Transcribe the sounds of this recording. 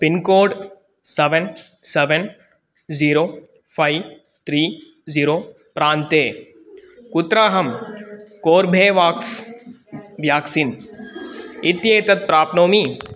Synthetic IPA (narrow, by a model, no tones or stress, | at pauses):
pinkoːɖ | seʋen | seʋen | ziːɾoː | pʰai | t̪ʰɾiː | ziːɾoː | pɾaːnt̪eː | kut̪ɾaːɦɐmkoːɾbʱeːʋaːks | ʋjaːksin | it̪jeːt̪ɐt̪̚pɾaːpnoːmi